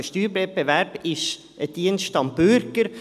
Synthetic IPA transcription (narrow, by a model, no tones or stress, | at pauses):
ʃt̪yːɾbɛbɛʋæɾb̥ɪʃ | əd̪̥iːənʃt̪ɑmbʉɾɡ̥əɾ